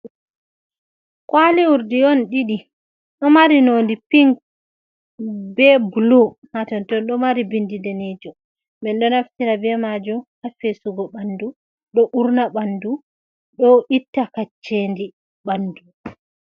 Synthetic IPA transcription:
kwaliwuɾdiɔnɗiɗi | ɗɔmaɾinondipiŋk | bɛbulu | hatɔntɔnɗɔmaɾibindidɛned͡ʒu | bɛnɗɔnaftiɾabɛmad͡ʒuhafesuɡɔbandu | ɗɔʔuɾnabandu | ɗɔʔitːakat͡ʃːendi | bandu

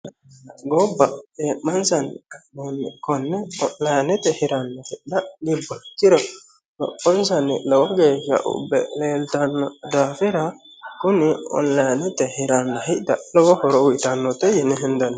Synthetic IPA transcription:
ɡɔbːɐeːmːɐnsɐnnɛnːɛkɔnːɛɔnlɐjnɛt̪ɛhɪɾɐnːɔhɪʔd̪ɐlɪbːɔt̪ːɪɾɔ | lɔ̰pːɔnsɐnːɪlɔwɔɡeːʃɐ̰ʔʊ̰bːɛ̰leːlt̪ɐnːɔd̪aːfɪɾɐ | kʊnɪɔ̰nlɐjnɛt̪ɛhɪɾɐnːɔhɪʔd̪ɐlɔwɔhɔɾɔwʊt̪ɐnːɔt̪ɛjɛnːɛɦɪnd̪ɐnː

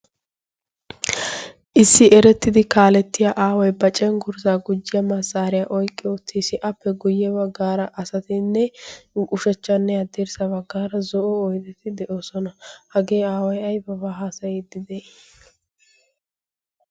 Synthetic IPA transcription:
ʔɪsːɪɛɾɛt̪ːɪd̪ɪkaːlɛt̪ːɪjaʔaːwɐjbɐt͡ʃʼɛnɡʊɾzaːɡʊd͡ʒːɪjɐmɐsaːɾɪjaʔɔjkʼːɪʊt̪ʰːiːsɪʔɐpːɛɡʊjːɛbɐɡːaːɾɐʔɐsɐt̪ɪnːɛkʼʊʃɛt͡ʃːɐnːɛjɐd̪ɛɾsɐβɐɡːaːɾɐzɔʔɔɔjt̪ɛt̪ɪd̪ɛʔoːsɔnɐhɐɡe̞ːaːwɐjɐjbɐbaɦaːsɐjɛd̪ɪd̪ɛ

